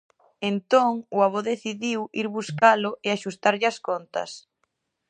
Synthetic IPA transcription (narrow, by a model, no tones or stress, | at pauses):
ent̪oŋʊaβoðeθiðiwiɾβuskalʊeaʃust̪aɾʎɪaskont̪ɐ̰s